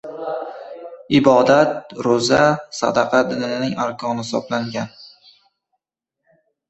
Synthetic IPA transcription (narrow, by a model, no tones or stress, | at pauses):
ɪbɒd̪at̪̚ɾʊzasa̰d̪ɑqʰɑd̪ɪnɪnɪnɪŋaɾkʰɒnhɪsɒ̰blaŋɡʲan